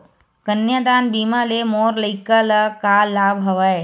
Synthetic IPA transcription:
kənjəd̪aːnbiːmalemoːɾləɪkəlkaːlːaːbɦɐʋəe

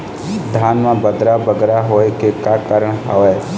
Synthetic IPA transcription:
d̪ʱaːnmãbəd̪ɾabəɡɾaɦoːekekaːkaːɾəɽ̃ɦa̰ʋe

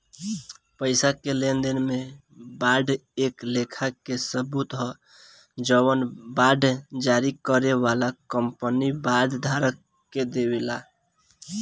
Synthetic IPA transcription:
pəɪsakelend̪enmebaɖeklekʰakesəbut̪ɦɔ | d͡ʒəwənbaɖʱd͡ʒaɾikəɾeʋalakəmpənibaɖ̪d̪ʱaɾək | kːed̪ewela

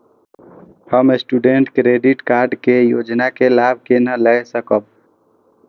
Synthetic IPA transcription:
həmesʈuɖeɳʈkɾeɖiʈkaɾɖkejo̰d͡ʒnakelabʱkenələsəkəb̚

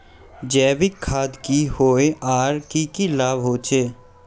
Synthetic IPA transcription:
d͡ʒɛːʋɪkʰːaːd̪kihoːeaːɾkikilaːbɦoːt͡ʃʰeː

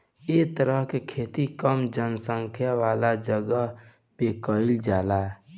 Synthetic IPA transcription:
et̪əɾəɦkekʰeːt̪ikəmd͡ʒənsə̃ŋkʰjaʋaːlad͡ʒəɡəɦ | pekəɪld͡ʒaːla

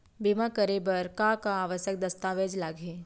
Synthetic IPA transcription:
bimãkəɾebɐɾkãkaːʋəʃək̚d̪ɐst̪aːʋeːd͡ʒlaːɡʱe

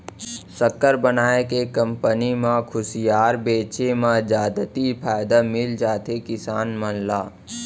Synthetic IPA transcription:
səkːəɾbənaːekekə̃mpənimãkʰʊsijaːɾbeːt͡ʃemãd͡ʒaːd̪ət̪ipʰaːjd̪amɪld͡ʒaːt̪ekɪsaːnmənlaː

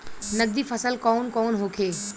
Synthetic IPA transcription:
nəɡ̚d̪iːfʰəsəlkɔːnkɔːnɦoːkʰeː

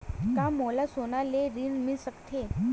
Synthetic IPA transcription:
kãmolasonaleɾinmisəkt̪ʰe

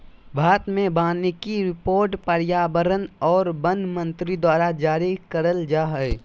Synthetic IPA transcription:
bʱaːt̪mẽbaːnekiɾɪpoːɾʈpəɾjaːbəɾənɔːɾbə̃nd̪mə̃nt̪ɾid̪waːɾad͡ʒaːɾikəɾəld͡ʒaːɦɛj

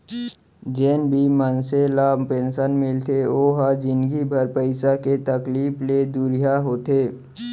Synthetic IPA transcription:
d͡ʒeːnbʱimənselapẽːnʃənmɪlt̪ʰeoːɦad͡ʒɪnɡibʱəɾpəɪsaket̪əkliːpled̪uɾijaɦoːt̪eː

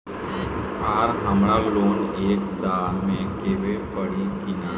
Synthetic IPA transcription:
aːɾɦəmɾaɡloːneːk̚d̪aːlmẽkeːʋepəɽikina

